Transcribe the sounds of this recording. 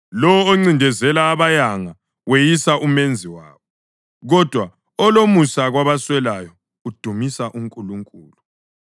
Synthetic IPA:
lɔwɔoŋ͡ǀindʱɛzɛlaːβajaŋa | wejisaʔumend͡zʱiwa̰ːβɔ | ɣɔd̥ʱwa | ɔlomusaɣwaβaswɛlajɔ | ud̥ʱumisaʔuŋkʼuluŋkʼṵːlu

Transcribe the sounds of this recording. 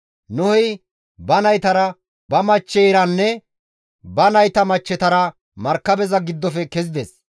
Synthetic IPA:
nʊhɔj | bɐnɐjt̪ɐɾɐ | bɐmɐt͡ʃːɛːɾɐnːɛ | bɐnɐjt̪ɐmɐt͡ʃːɛt̪ɐɾɐ | mɐɾkːɐbɛzɐɡɪd̪ːɔfɛkɛzɪd̪ɛs

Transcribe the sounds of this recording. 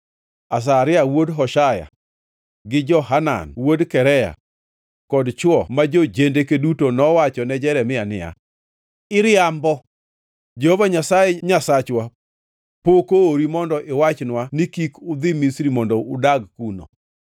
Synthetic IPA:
as̬aɾɪawodɦɔʃaja̰ | ɡɪd͡ʒɔɦana̰nwodkɛɾɛja̰ | kɔdt͡ʃwɔmad͡ʒod͡ʒendekedutonɔwat͡ʃɔnɛd͡ʒɛɾɛmɪanɪ̰ja̰ | ɪɾɪambɔ | d͡ʒehovaɲasajɛɲasat͡ʃwa | pokooɾimɔndɔʔɪwat͡ʃnwanikikʊd̪ɪmisɾimɔndɔʊdaɡkuno̰

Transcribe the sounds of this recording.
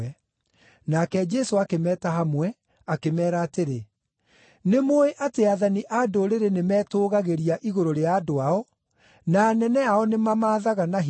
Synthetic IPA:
ɛ | nakɛd͡ʒɛsoakemɛːtaɦamwɛ | akemɛːɾaːteɾe | nemoeʔateaðaniʔadoɾeɾenemɛːtoːɣaɣeɾiaʔiɣoɾoɾeaːdoaɔ | naːnɛnɛaɔnemamaːðaɣanaɦ

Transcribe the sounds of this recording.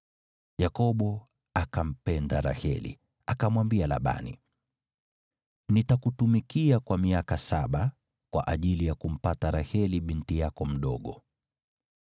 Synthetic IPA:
jakɔɓɔ | akam̩pɛndaɾa̰hɛ̰lḭ | akamwambiala̰ɓa̰nḭ | nitakutumikiakwamiakasaɓa | kwa̰ʔaʄilijakum̩pataɾahɛliɓintijakɔm̩ɗɔɠɔ

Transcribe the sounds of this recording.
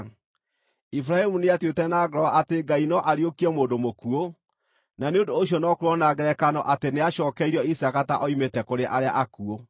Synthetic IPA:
ifɾahemuneatwetɛnaɡɾɔaʔateɡainɔʔaɾjokiɛmoːndomokuo | naneondoːɕ̬jɔnɔkoɾɔnaɡɛɾɛkanɔʔateneaʃɔːkɛiɾɔisakataʔɔimetɛkoɾeʔaɾea̰ʔakuo

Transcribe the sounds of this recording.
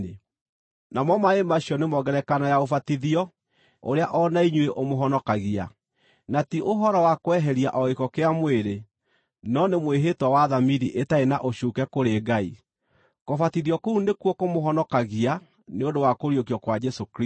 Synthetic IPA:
e | namɔmaemaɕiɔnemɔɣɛɾɛkanajaofatiðiɔ | o̰ɾeaʔɔnaiɲweʔomoɦɔnɔkaɣia̰ | natiʔoɦɔɾɔwakowɛɦɛɾiaʔɔɣekɔkeamweɾe | nɔnemweɦetwawaðamiðiʔetaenaʔoɕukɛkoɾeɡai | kofatiðiɔkounekwɔkomoɦɔnɔkaɣia | neondowakoɾjokiɔkwad͡ʒɛsokɾi

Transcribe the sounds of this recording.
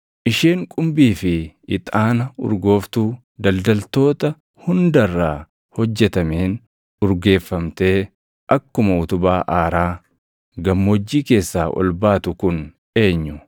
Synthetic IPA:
ʔɪʃeːŋkʼʊmbiːfɪɪt̪ʼaːnɐʊ̰ɾɡo̞ːft̪uː | d̪ɐld̪ɐlt̪o̞ːt̪ɐ | hʊnd̪ɐrːaː | hɔd͡ʒːɛt̪ɐmeːn | ʊɾɡe̞ːfːɐmt̪e̞ː | ʔɐkːʊmɐʊt̪ʊbaːʔaːɾaː | ɡɐmːod͡ʒːiːke̞ːsːaːʔɔ̰lbaːt̪ʊkʊn | e̞ːɲːʊ

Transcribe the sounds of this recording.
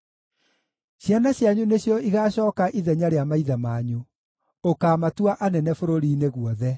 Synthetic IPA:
ɕjanaɕjaɲuneɕjɔiɣaːɕɔːkaʔiðɛɲaɾeamaiðamaːɲu | okaːmatuaʔanɛnɛfoɾoɾiːneɣwɔðɛ

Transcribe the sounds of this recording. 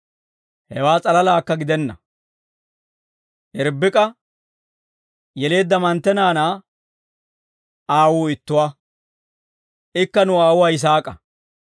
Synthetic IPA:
hɛwaːt͡sʼɐlɐlaːkːɐɡɪd̪ɛnːɐ | ʔɛɾbːɪkʼɐ | jɛle̞ːd̪ːɐmɐnt̪ːɛnaːnaː | aːwuːɪt̪ːʊwaː | ɪkːɐnʊaːwʊwaːjɪs̬aːkʼɐ

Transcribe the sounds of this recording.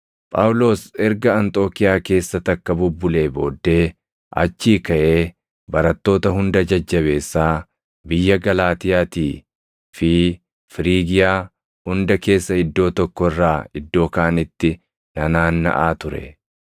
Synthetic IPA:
pʼaːwʊlo̞ːsɛɾɡɐɐnt̪ʼo̞ːkɪjaːke̞ːsːɐt̪ɐkːɐbʊbːʊle̞ːbo̞ːd̪ːe̞ː | ʔɐ̰t͡ʃːiːkɐʔe̞ː | bɐɾɐt̪ːo̞ːt̪ɐhʊnd̪ɐd͡ʒɐd͡ʒːɐβe̞ːsːaː | bɪjːɐɡɐlaːt̪ɪjaːt̪iː | fɪ | fɪɾiːɡɪjaː | hʊnd̪ɐke̞ːsːɐɪd̪ːo̞ːt̪ɔkːɔɪrːaːɪd̪ːo̞ːkaːnɪt̪ːɪ | nɐnaːnːɐ̰ʔaːt̪ʊɾɛ̰

